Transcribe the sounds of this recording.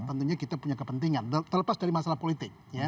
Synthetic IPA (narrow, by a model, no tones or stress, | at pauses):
t̪ənt̪uɲakit̪apuɲakəpənt̪iŋanət̪ərləpasdaɾimasalahpolit̪ɪk̚ja